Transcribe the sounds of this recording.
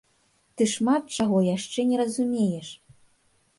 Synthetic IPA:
t̪ɨʂmat̪̚t͡ʃaɣɔjaʂt͡ʂɛnʲɛɾɐzumʲejɛʂ

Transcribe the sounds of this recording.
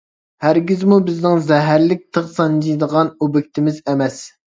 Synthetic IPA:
hæɾɡʲɪzmubɪznɪŋzɛɦæɾlɪk̚ʲt̪ʰəχsɑnd͡ʒid̪əʁɑnubɪkʲt̪ʰɪmɪzɛmɛs

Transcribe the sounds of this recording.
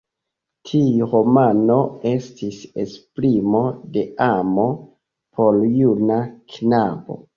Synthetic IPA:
tʰiɾo̞mano̞e̞stise̞spɾimo̞de̞amo̞ | pʰo̞ljunaknabo̞̰

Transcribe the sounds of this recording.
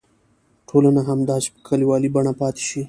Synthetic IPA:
ʈʰolanaɦamd̪ɑt͡ʃe̥pə̥kʰaliwɑlibaɳapɑt̪e̥ʃi

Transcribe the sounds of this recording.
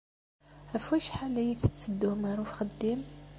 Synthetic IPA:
æfwæʃħalæjiθət͡sːəd̪ːumaɾˤufxəd̪ːim

